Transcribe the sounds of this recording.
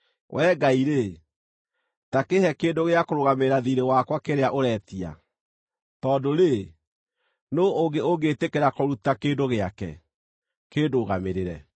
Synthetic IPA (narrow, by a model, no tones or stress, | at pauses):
wʔɛːɡaiɾe | takehɛkeːndoɣeakoɾoɣameeɾaðiɾewakwakeɾeaʔoɾɛtia̰ | tɔːdoɾe | nooɡeoɡetekeɾakɔɾutakeːndoɣeakɛ̰ | keːdoɣameɾeɾɛ̰